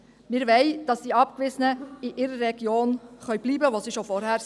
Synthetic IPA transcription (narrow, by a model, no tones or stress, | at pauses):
mɪːɾʋɛɪd̥ɑsdiɑpkʋɪzənəiʔɪɾəːɛɡjoːnχœɥb̥liːbəʋosiʃofɔɾhæːɾ